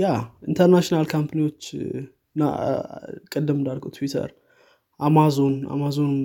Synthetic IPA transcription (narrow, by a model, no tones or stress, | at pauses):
jaʔint̪ʰəɾnaʃinalkʰampʰaniwo̞t͡ʃː | nːa̰ | kʼɨd̪ːɨmɨnd̪aɾɡəwt̪ʰwit̪ʰə̰ɾ | ʔamazo̞nʔa̰mazo̞n